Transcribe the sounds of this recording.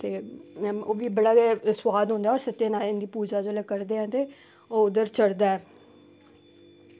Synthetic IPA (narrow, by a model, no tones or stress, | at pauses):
t̪eːoːʋiːbəɽaːeswaːd̪ɦõːnd̪aːɔːɾsət̪ːjẽːnaːlɪnd̪iːpuːd͡ʒaːd͡ʒoːlɛːkəɾd̪eːɛ̃ːt̪eː | oːʊd̪əɾt͡ʃəɽd̪aːɛː